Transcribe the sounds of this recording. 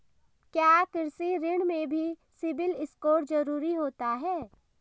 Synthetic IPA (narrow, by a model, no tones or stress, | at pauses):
kjaːkɪɾsiɾɪɽ̃mẽbʱisɪbɪlɪskoːɾd͡ʒɐɾuːɾiɦoːt̪aɦɛː